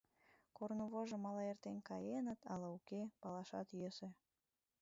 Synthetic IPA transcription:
kornoβoʒə̆mɑlɑert̪enkɑjenət̪ʰɑlɑukepɑlɑʃɑ̰t̪jøse

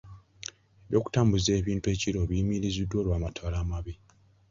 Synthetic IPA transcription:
eβjo̞ːku̥taːmbuze̞ːβiːntue̞ːciɾo̞βimiɾizidːwo̞ːɾwaːmatʰolaːmaβi

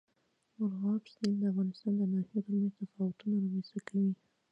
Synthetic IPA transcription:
ʊɾɣɑpst̪ind̪əafɣɑnɪst̪ɑnd̪ənɑhiod̪lunot̪afɑwʊt̪unaɾamesakawi

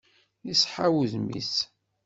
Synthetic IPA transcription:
isħawðmḭs

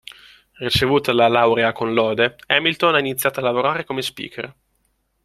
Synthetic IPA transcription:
rit͡ʃevuːt̪alalawɾeakonlɔːd̪eɛmilt̪onainit̪sːjaːt̪oalːavoɾaːɾekomespḭːkʰḛr

